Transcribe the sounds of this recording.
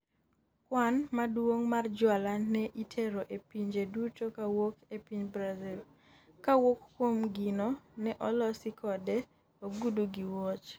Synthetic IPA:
kwanmadwoŋmard͡ʒwalanɛʔitʰeɾoʔepiɲd͡ʒedutokawokepiɲbɾazil | kawokkwomɡinonɛʔɔlɔsikʰɔdɛ | oɡuduɡiwot͡ʃ

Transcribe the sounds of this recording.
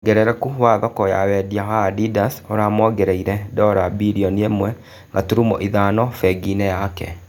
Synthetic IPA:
ɡɛɾɛɾɛkuhwaðɔkɔja̰wɛdiaɦadidasoɾaːmɔɡeɾeiɾɛdɔɾabiɾiɔniemwɛ | ŋɡatuɾumo̰ʔiðanɔfɛɡinɛjakɛ̰

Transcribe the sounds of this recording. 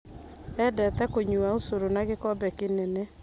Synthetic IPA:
ɛdɛtɛkoɲuausoɾonaɣekɔbɛkenene

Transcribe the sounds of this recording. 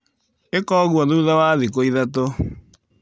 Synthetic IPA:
ekɔːɣwɔðuːðawaðikoiðato

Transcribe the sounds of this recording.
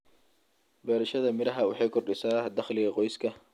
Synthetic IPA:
bɛːɾɐʃɐðɐmɪɾɐɦɐwɑ̰ħɑjkʰɔrɗɪsaːd̪ɐχlɪɣɐqɔjskʰɐ

